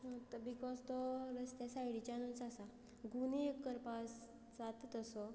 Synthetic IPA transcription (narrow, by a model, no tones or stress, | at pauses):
t̪əbikɔzt̪ɔɾəst̪jasajɽit͡ɕanunt͡sasa | ɡunikːəɾpas | d͡zat̪t̪əsɔ